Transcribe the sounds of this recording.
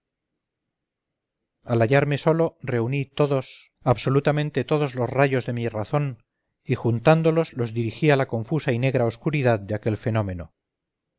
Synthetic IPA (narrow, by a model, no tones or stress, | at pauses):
alaʝaɾme̞so̞lo̞re̞unit̪o̞ðo̞s | aβso̞lut̪amẽ̞nt̪e̞t̪o̞ð̞o̞zlo̞sraʝo̞zðe̞miraθo̞n | ixunt̪and̪o̞lo̞zlo̞zðiɾixialakõ̞ɱfusaine̞ɣ̞ɾaoskuɾiðaðd̪eake̞lfe̞nõ̞mẽ̞no̞